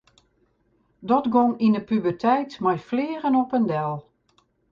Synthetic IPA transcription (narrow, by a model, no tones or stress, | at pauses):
dɔtɡɔŋinəpybərtʰɛjtmajflɪːrənɔpəndɛlˠ